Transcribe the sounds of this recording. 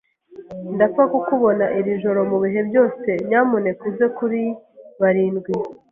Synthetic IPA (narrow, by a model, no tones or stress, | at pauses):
ndafakukuβo̞naʔiɾiʒo̞ɾo̞muβiɦe̞bɟo̞ːse̞ɲɲaːmone̞kwiːze̞kuɾiβaɾiːnɡwi